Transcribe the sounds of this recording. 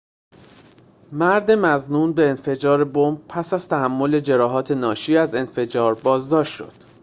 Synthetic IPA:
mæɾd̪e̞mæznuːnbe̞ːnfe̞d͡ʒɒːɾe̞bombpʰæsæz̥t̪ʰæhæmːo̞le̞d͡ʒe̞ɾɒːɦɒːt̪ʰe̞nɒːʃiːæze̞nfe̞d͡ʒɒːɾbɒːzd̪ɒːʃt̪ʃo̞̰d̪̥

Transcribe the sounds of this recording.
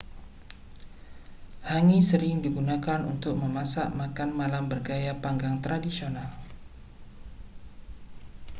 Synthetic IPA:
haŋisəɾɪŋdiɡunakanṵnt̪ʊk̚məmasa̰ʔmakanmalambərɡajapaŋɡaŋt̪ɾadisional

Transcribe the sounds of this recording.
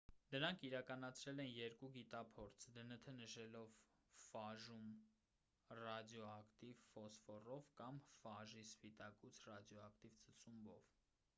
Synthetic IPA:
d̪əɾɑŋkʰiɾɑkɑnɑt͡sʰɾɛlɛnjɛɾkuɡit̪ɑpʰɔɾt͡sʰd̪ənət̪ʰənəʃɛlɔv | fɑʒum | rɑd̪jɔɑkt̪ivfɔsfɔrɔvkɑmfɑʒisfit̪ɑkut͡sʰrɑd̪jɔɑkt̪ivt͡sʰət͡sumbɔ̰v

